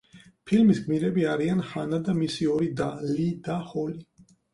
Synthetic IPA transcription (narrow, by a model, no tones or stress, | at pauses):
pʰilmisɡmiɾɛbiaɾianχanad̪amisiɔɾid̪alid̪aχɔli